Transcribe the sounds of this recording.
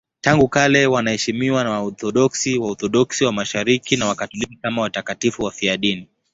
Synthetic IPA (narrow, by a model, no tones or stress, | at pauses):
taŋɡukalɛwanahɛʃimiwanawaɔθɔɗɔksiwaɔθɔɗɔksiwamaʃaɾikinawakatulikikamawatakatifuwafiaɗini